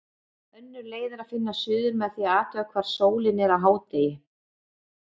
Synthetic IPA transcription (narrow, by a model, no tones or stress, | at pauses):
œnːʏɾleːjðɪɾaðfɪnːasʏːðʏɾmɛðθiaaːt̪ʏakʰvaːɾ̥soːwlɪnɛɾawɦaːwt̪eːjɪ